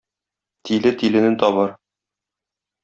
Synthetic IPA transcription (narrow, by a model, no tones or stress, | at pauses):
t̪ʰilɘt̪ilɘ̆nɘt̪ɒβɤɾ